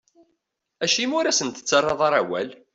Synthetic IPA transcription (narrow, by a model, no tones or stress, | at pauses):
æʃimʊɾæsənt̪ə̥t͡sːɑrˤːɑðˤɑɾˤæwæ̰l